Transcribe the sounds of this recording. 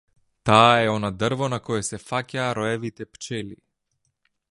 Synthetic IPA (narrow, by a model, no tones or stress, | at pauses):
t̪aːɛɔnad̪ərvonakɔjɛsɛfacʲaːɾɔɛvit̪ɛpt͡ʃɛli